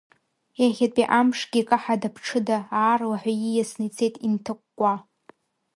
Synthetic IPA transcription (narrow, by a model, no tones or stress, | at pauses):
jaχʲatʼiʔamʂɡʲikʼaħadapʰʈ͡ʂʰɨdaaːrlaħʷajijasnɨjt͡sʰe̞jtʼintʰɨkʷʼːa